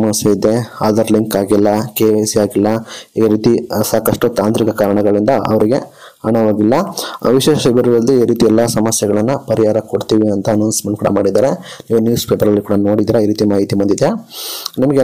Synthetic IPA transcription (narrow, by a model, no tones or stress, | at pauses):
mɐsjɐid̪e̞a̰ːd̪ɐɾliŋkaːɡilːɐkeːʋesiaːɡilːɐiːɾiːt̪isaːkɐʂʈut̪aːnt̪ɾikɐkaːɾɐɳɐɡɐɭind̪ɐɐ̰ʋɐɾiɡe̞ | ɐɳɐʋaːɡilːɐʋiʃeːʃbɐɾuʋɐld̪uiːɾiːt̪iɛlːɐsɐmɐsjɐɡɐɭɐnːupɐɾiɦaːɾɐkoɽt̪iːʋiɐnt̪ɐːnɐwnsmɐnkuːɽɐ̰maːɽid̪aːɾe̞niːʋunjuːspeːpɐɾɐlːikuːɽɐno̞ːɽid̪iːɾaiːɾiːt̪imaːɦit̪imɐnd̪id̪eanimɐɡe